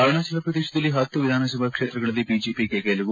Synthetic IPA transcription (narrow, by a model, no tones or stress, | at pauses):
aːɭɐɳɐsɐlɐpɾɐd̪eːʃɐd̪ɐlːiɦɐt̪ːuʋid̪ʱaːnɐs̬ɐbʱɐkʂet̪ɾɐɡɐɭɐlːipid͡ʒipikekeːlɐʋu